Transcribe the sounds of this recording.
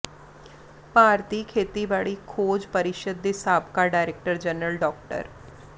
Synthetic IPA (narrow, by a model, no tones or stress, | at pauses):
paːɾt̪iːkʰeːt̪iːbaːɭiːkʰoːd͡ʒpəɾɪʃəd̪̚ːeːsaːbkaːɖaːɾeːk̚ʈəɾd͡ʒənɾəlɖɔːk̚ʈə̰ɾ